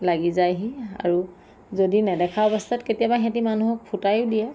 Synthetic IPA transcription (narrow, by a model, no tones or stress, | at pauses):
laɡizajɦia̰ɹu | zodinɛdɛkʰaɔbɔstʰatketijabaxɛ̃timanuɦɔk̚pʰutajʊdijɛ